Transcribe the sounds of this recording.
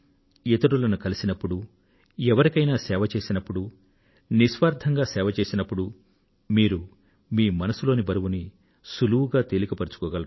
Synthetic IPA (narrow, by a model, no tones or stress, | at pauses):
et̪ɐɾulɐnukɐlisinɐpːuɽu | ɛʋɐɾikɐjnaːsɛːʋɐt͡ʃe̞ːsinɐpːuɽu | nisʋaːɾd̪ʱʰɐŋɡaːsɛːʋɐt͡ʃe̞ːsinɐpːuɽu | miːɾu | miːmɐnɐsulo̞ːnibɐɾuwuni | suluwuɡaːt̪elikɐpɐɾut͡ʃu̥kɔːɡɐlɐ